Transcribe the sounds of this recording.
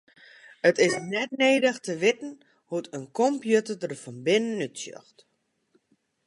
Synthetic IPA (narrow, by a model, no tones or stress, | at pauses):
ətɪsnɛtneːdəxtəʋɪtn̩ | hutʰənkɔmpjutədərfɔnbɪnənytsjø̰xt